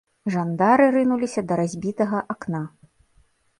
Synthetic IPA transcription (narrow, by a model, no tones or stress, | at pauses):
ʐand̪aɾɨɾɨnulʲisʲɐd̪ɐɾazʲbʲit̪ɐɣɐʔakna